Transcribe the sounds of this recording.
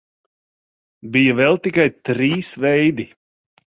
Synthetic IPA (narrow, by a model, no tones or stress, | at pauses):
bijavɛlˠt̪ikajt̪ɾiːsvɛjd̪i